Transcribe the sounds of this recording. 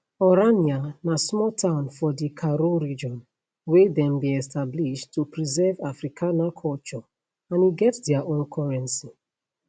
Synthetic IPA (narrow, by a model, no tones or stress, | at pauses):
ɔɹanianasmɔltʰãʊ̃nfɔdikʰaɾoɹid͡ʒɔ̃n | wedɛ̃mbiɛstʰabliʃtːupɹizɛvafɹikʰãnakʰɔlt͡ʃɔ | ãniɡɛtdɛaʔõnkʰɔɹɛ̃nsi